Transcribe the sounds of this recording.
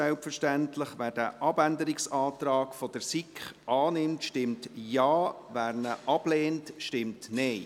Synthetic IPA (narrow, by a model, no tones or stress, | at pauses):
ɛlpfəʃtæntlɪχʋæːɾd̥æːʔɑbændəɾɪksɑːtɾɑːkfɔd̥əɾsikχʔɑːnɪmtʃtɪmtjɑːʋæːɾnəʔɑb̥leːntʃtɪmtnɛɪ